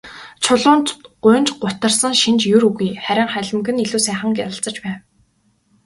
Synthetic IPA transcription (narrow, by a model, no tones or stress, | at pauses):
t͡ɕʰʊɮʊːnt̪ɢʊːnt͡ɕɢʊt̪ə̆rsə̆ŋʃint͡ɕjuɾuɣujχæɾʲɪ̆ŋχæɮʲɪ̆mɡɘ̆niɮuːsæːχə̆ŋkjaɾə̆ɬt͡sə̆t͡ɕpæːw